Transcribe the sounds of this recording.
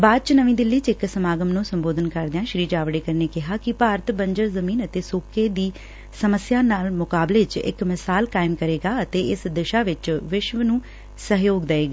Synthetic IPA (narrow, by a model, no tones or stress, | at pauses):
baːd̪̚t͡ʃnəʋĩːd̪ɪlːiːt͡ʃɪksəmaːɡəmnũːsəmboːd̪ənkəɾd̪eãːʃɾiːd͡ʒaːʋɽeːkəɾneːkɪɦaːkɪpaːɾət̪bəɲd͡ʒəɾzəmiːnət̪eːsoːkeːd̪iː | səməsjaːnaːlmʊkaːbleːt͡ʃɪ̰kmɪsaːlkaːɪmkəɾeːɡaːət̪eːɪsd̪ɪʃaːʋɪt͡ʃʋɪʃʋənũː | səɦjoːɡd̪eeːɡaː